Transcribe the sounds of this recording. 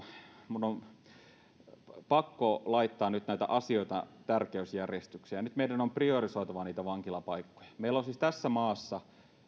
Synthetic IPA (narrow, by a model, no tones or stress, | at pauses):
munːom | pɑkːolɑit̪ːɑːnnyt̪næit̪æ̰ʔɑsioit̪ɑ̰t̪ærkeysjærjest̪yksiæjnyt̪meidænompriorisoit̪ɑʋɑniːt̪æʋɑŋkilɑpɑikːo̥jɑ̥meilolsist̪æsːæmɑːsːɑ